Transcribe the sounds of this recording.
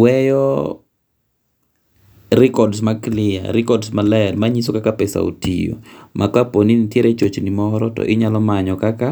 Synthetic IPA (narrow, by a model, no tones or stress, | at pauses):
wɛjɔ | ɾɪkɔdsmaklɪa̰ɾɪkɔdsmalɛɾmaɲisokakapɛsa̰o̰tḭjo̰mʔakaponinitjeɾʔet͡ʃot͡ʃnimɔɾɔtɔ̰ʔɪɲalɔmaɲɔkaka